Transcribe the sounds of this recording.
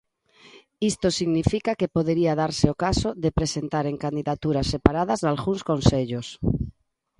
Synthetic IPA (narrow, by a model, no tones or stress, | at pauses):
ist̪osiɣnifikakepoðeɾiaðaɾseokasoðepɾesent̪aɾeŋkand̪iðat̪uɾasepaɾaðɐzðalɣuŋskonseʎos